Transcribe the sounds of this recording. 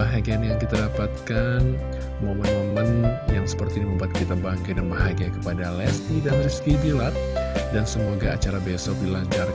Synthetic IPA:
aɦaɡianjaŋkit̪adapat̪̚kan | momənmomənjaŋsə̥pərt̪idiməmbat̪̚kit̪abaŋkadənbaɦaɡiakə̥padalɛsidamlɛskibilat̪̚dansəmoɡaat͡ʃaɾabesɔk̚dilaɲt͡ʃar

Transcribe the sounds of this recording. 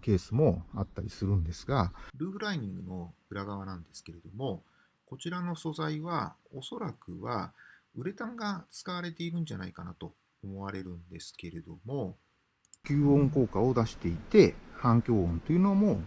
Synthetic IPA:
ke̞ːsɨmo̞at̪ːaɾʲisɨɾɯ̟̃nd̪e̞sɨɡaɾɯ̟ːɸɯ̟ɾaiɲ̟ĩŋɡɯ̟no̞ɯ̟ɾaɡaβ̞anãnd̪e̞sɨ̥ke̞ɾe̞d̪o̞mo̞ | ko̞t͡ɕiɾano̞so̞zaiβao̞so̞ɾakɯ̟βaɯ̟ɾe̞t̪ãŋɡat͡sɨ̥kaβaɾe̞t̪e̞iɾɯ̟̃ɲ̟d͡ʑanaikanat̪o̞ː | mo̞βaɾe̞ɾɯ̟̃nd̪e̞sɨ̥ke̞ɾe̞d̪o̞mo̞ | kʲɨːõ̞ŋko̞ːkao̞d̪aɕi̥t̪e̞it̪e̞hãŋkʲo̞ːõnt̪oiɯ̟nomo

